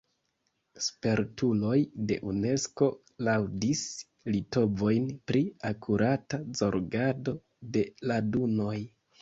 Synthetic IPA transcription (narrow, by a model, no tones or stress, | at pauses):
spe̞ɾtulo̞jde̞̰ʔune̞sko̞ | lawdis | lito̞bo̞jnpɾiakʰuɾatazo̞ɾɡado̞ | de̞laduno̞j